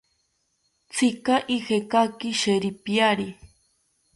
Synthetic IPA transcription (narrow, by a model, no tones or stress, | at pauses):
t͡sʰikaʔixekakiʃeɾipjaɾi